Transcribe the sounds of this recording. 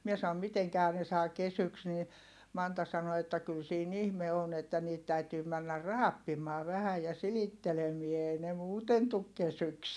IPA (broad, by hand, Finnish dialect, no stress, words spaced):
mie sɑom miteŋkæhæ ne sɑː kesyks niː mɑntɑ sɑno etːæ kyl siːn ihme on etːæ niːt tæytyː mænːær rɑːpːimˑɑː ʋæhæ jɑ silitːelemie eˑi ne muːten tuk kesyks